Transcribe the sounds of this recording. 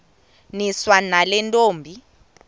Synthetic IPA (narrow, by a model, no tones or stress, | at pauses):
niswanalɛntʼoːmbʱi